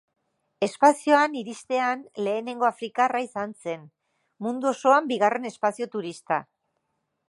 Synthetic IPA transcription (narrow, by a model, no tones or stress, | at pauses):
e̞spasio̞aniɾist̪e̞anle̞ːne̞ŋɡo̞afɾikaraisanse̞n | mund̪uo̞so̞ambiɣ̞are̞ne̞spasio̞t̪uɾist̪a̰